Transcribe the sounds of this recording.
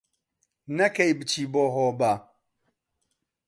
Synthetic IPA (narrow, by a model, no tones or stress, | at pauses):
nɐkɐjbɨt͡ʃiːboːɦoːba